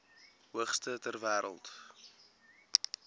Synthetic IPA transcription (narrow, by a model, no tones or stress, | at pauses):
ɦuəχstətærvæːɾə̰lˠt